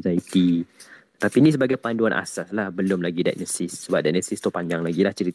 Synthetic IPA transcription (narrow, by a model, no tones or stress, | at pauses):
zait̪i | t̪apinis̬əbaɡajpanduanʔa̰saslahbəlʊmlaɡida̰jʔnəsɪsːəbap̚daʔnəsist̪ʊhpaɲd͡ʒaŋlaɡilaht͡ʃəɾit̪